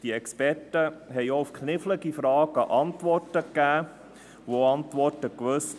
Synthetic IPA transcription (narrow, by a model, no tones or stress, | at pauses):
d̥iɛkspɛrtəɦɛɪoʊfkʰnɪfləɡifɾɑːɡ̥əʔɑntʋɔrtəkːæː | ʋoɑntʋɔɾtəkʋɵs